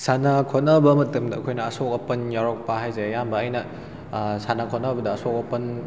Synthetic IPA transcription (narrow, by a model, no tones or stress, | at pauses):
sanakʰot̚nɐbɐmɐtumdɐɐkʰojnɐːsok̚ɐpɐnjaɾok̚pɐɦajzejambɐːjnɐ | sanakʰot̚nɐbɐdɐːsok̚ɐpɐn